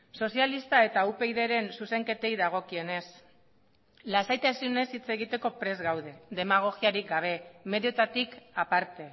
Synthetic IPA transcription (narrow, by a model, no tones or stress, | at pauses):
so̞sialist̪ae̞t̪aupe̞jðe̞ɾe̞nsuse̞ŋke̞t̪e̞jðaɣ̞o̞kie̞ne̞s | lasajt̪asione̞sit͡se̞ɣ̞it̪e̞ko̞pɾe̞zɣawðe̞ðe̞maɣ̞o̞ɣiaɾik̚ɡaβ̞e̞me̞ðjot̪at̪ikapaɾt̪e̞